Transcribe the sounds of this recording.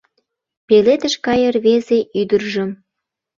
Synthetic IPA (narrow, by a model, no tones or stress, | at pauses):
pelet̪əʃkɑjərβezeʔyd̪ərʒə̆m